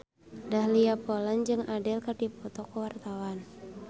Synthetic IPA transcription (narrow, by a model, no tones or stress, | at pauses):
dahliapoland͡ʒɨŋʔadɪlkərdipɔt̪ɔkəwart̪awan